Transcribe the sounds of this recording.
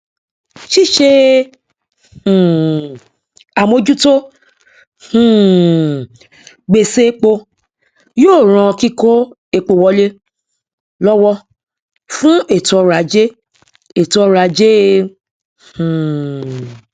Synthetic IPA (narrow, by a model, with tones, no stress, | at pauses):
ʃi˦ʃe˧˨ | a˨mo˧d͡ʒu˦to˦ | hũ˦˨ | ɡ͡be˧se˦k͡po˧ | joː˦˨ɾ̃ɔ̃˧ki˦ko˦ | e˧k͡po˧wɔ˧˦le˦ | lɔ˦wɔ˦ | fũ˦e˦˨tɔ˧ɾa˨˦d͡ʒe˦ | e˨tɔ˧ɾa˨˦d͡ʒe˦˨